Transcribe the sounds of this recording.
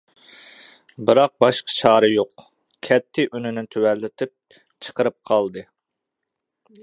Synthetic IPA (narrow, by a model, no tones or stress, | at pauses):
bɨɾɑq̚bɑʃqə̥t͡ʃʰɑːɾɨjoq | kʲʰɛt̪ʰːɪʔynynɪt̪ʰywɛlːɪt̪ʰɪp̚ | t͡ʃʰə̥qəɾɨp̚qʰɑlˠd̪ɨ